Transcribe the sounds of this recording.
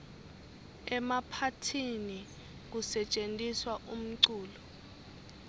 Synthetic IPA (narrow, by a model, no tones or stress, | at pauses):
ɛmapʰatʰini | k̬usɛt͡ʃʼentʼiswaʔum̩ǀuːlɔ